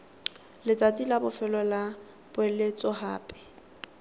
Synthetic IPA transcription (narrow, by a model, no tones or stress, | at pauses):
lɪt͡sʼatʼilabʊfɛlɔla | b̥ʊɛlet͡sʼɔha̰ːpʼɛ̥